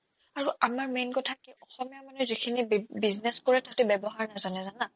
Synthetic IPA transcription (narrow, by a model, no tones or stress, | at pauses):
aɹuʔamaɹmejnkɔtʰakiɔxɔmijamanuzikʰinibizneskoɹɛtʰatɛbɛbɔɦaɹnazanɛzana